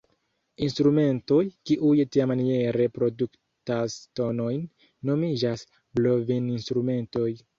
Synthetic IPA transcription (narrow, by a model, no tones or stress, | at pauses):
instɾume̞nto̞jkiʔujtiamanie̞ɾe̞pɾo̞duk | tasto̞no̞jnː | o̞mid͡ʒas | blovininstɾume̞nto̞j